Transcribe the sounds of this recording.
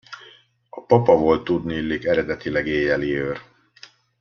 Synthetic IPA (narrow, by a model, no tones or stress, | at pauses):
ɒpɒpɒvo̞lt̪ːud̪niːlːikɛɾɛd̪ɛt̪ilɛɡeːjɛliøːr